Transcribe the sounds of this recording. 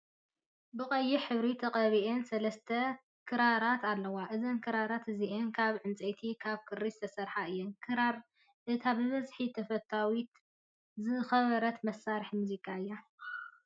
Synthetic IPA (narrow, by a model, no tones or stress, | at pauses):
bɨkʼɐjːiħɨβɾit̪ʰɐqʼɐβiʔensɐlɐst̪ʰɐ | kʰɨɾaɾat̪ʰalːɐwaʔɨzɐnkʰɨɾaɾat̪ɨziʔenkʰaβʕɨnt͡sʼet̪ʰikʰaβkʰɨrːist̪ʰɐsɐɾħaɨjːonkʰɨɾaɾ | ʔɨt̪ʰabɨβɐzħit̪ʰɐfɐt̪ʰːawit̪ | zɨxɐβɐɾɐt̪mɐsːaɾɨħmuzikʰaɨjːa